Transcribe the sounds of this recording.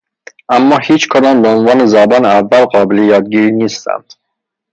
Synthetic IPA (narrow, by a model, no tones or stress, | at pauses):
ʔæmːɒːhiːt͡ʃʰkʰod̪ɒːmbeonvɒːnezɒbɒːneævːælɢɒːbelejɒːd̪̚ɟiːɾiːniːst̪æ̰nd̪̥